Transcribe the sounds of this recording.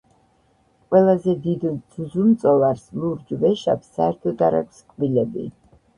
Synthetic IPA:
qʼwɛlˠazɛd̪id̪z̥uzumt̪sʼɔlaɾslˠuɾd͡ʒvɛʃapsaɛɾt̪ʰɔd̪aɾa̰kʰʼskʼbilɛbḭ

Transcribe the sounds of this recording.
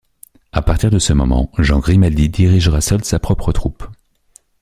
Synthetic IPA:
apaʁt̪iʁd̪əsəmɔ̰mɑ̰̃ʒɑ̃ɡʁimad̪id̪iʁiʒʁasœlsapχɔpχət̪χup

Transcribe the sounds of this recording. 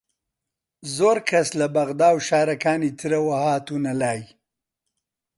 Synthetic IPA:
zoːɾkʰaslabɐɣd̪aːwʃaːɾɐkaːnit̪ʰiɾɐwahaːt̪unɐlaːj

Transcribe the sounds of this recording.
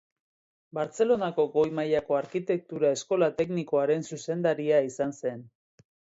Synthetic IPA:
baɾt͡se̞lo̞nako̞ɡo̞jmajako̞aɾkit̪e̞k̚t̪uɾae̞sko̞lat̪e̞kniko̞aɾe̞nsuse̞nd̪aɾiaisanse̞n

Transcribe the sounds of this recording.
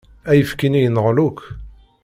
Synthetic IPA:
æjəfkinijənʁluk

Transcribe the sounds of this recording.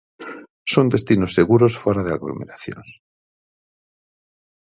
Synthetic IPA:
sond̪e̞st̪inosːeɣuɾosfoɾaðea̰ɣlo̰meɾaθjo̰ns

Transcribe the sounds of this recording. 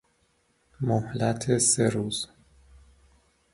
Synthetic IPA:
mohlæt̪ʰeseɾuːz̥

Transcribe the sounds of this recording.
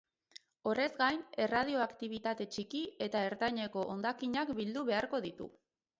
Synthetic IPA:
o̞re̞zɡajne̞raðio̞akt̪iβ̞it̪at̪e̞t͡ʃikie̞t̪ae̞ɾt̪ajɲe̞ko̞ʔond̪akiɲakbild̪uβe̞aɾko̞ð̞it̪ṵ

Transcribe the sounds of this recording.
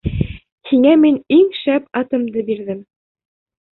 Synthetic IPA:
hiŋæminiŋʃæpɑt̪ɤ̆md̪ɤbiɾðɘm

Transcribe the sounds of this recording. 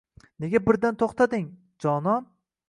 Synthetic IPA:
ne̞ɡʲabɪɾd̪ant̪ʰoχt̪ʰad̪ɪŋ | d͡ʒɒnɒn

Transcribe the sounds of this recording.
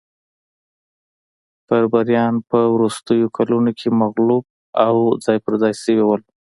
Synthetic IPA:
paɾbaɾjɑnpəwɾust̪əjokʰalunokʰemaɣlub̚ | awzɑjpəɾzɑjsəwiwəl

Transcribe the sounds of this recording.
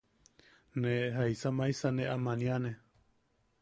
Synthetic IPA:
neɦaisamãisanẽʔamãnĩanẽ

